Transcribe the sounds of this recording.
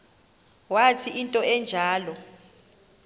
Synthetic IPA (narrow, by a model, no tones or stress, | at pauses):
watʰiʔintʼɔɛnd͡ʒʱaːlɔ